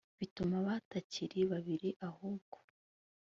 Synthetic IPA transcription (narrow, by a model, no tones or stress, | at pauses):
βitumaβataciɾiβaβiɾiʔahobɡ̥o̥